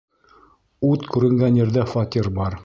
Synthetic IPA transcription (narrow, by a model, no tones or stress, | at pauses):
ʉt̪kʉɾɘ̆ŋɡænjɘ̆ɾðæfɑt̪ʲiɾbɑɾ